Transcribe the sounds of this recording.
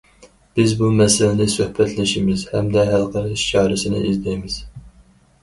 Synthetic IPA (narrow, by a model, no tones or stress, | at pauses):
b̥ɪzbumɛsɪlɪnɪsøhbɛt̪lɪʃimɪz̥hɛmd̪ɛɦælqʰɑɾʃt͡ʃʰɑːɾɪsɪnɪ̰ʔizd̪ɛjmɪz̥